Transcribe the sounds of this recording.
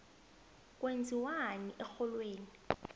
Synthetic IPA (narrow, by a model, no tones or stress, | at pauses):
k̬ʼwend͡zʱiwaniʔɛxɔlweːni